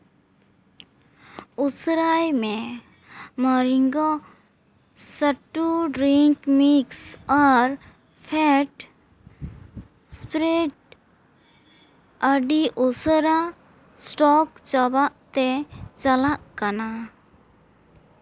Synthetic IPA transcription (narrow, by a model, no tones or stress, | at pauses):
usɾajmẽ | mɔɾiŋɡo | səʈːuɖɾiŋkmiksɔɾ | pʰɛʈ | spɾeʈ̚ | əɖiʔosɾa | sʈɔkt͡ʃəbaʔt̪et͡ʃəlaʔkana